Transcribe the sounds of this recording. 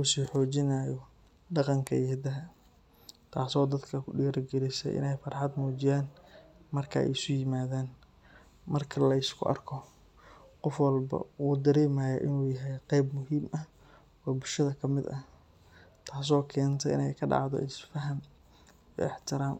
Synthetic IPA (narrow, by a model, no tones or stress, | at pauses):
uːsiːħɔːt͡ʃɪnaːjɔ | ɖɑqɑŋkʰɐjɛːd̪ɐɦɐ | t̪ʰaːsɔːd̪ɐd̪kʰɐkʰʊɖiːɾɐɡɛlɪsɛ̰jʔɪ̰nɛjfɐrħɑd̪muːt͡ʃɪjaːn | mɐrkʰɐ̰ɛ̰ɪsʊjɪmaːðaːn | mɐrkʰɐlɐɪskʰʊʔɐ̰rkʰɔ | qɔfwɑlbɐ̰wuːd̪ɐɾɛːmɐjɐʔɪnuːjɐɦɛjqɛjbmʊɦiːmɐ | wɑːbʊlʃɐðɐkʰɐmɪd̪ɐ | t̪ʰaːs̬ɔːkʰɛːnt̪ʰɛʔɪ̰nɛjkʰɐɖɑ̰ʕd̪ɔ̰ʔɪsfɐɦɐm | j̰ɪħt̪ʰɪɾaːm